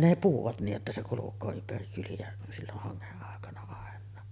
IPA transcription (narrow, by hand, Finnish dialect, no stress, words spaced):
ne puhuʋɑt nij jotːɑ se kulukˑoː ympæri kyliæ silːoh hɑŋːeʔ ʔɑˑekɑnɑ ɑˑenˑɑː